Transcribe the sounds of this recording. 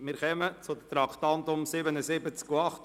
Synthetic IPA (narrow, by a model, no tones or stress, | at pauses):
mɪːɾχɛmət͡sʊd̪ət̪ɾɑkt̪ɑnt̪ʊmsɪbənəsɪbət͡skuɑχt